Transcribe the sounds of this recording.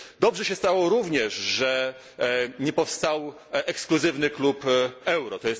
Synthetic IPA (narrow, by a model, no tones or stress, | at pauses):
d̪ɔbʐɛɕɛst̪awɔɾuvɲɛʂʐɛ | ɲɛpɔfst̪aw | ʔɛkskluzɘvnɘklupɛwɾɔt̪ɔjɛst̪